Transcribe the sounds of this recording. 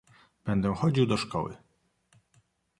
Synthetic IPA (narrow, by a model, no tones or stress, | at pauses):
b̥ɛnd̪ɛ̃xɔd͡ʑiwd̪ɔʂkɔ̰wɘ̰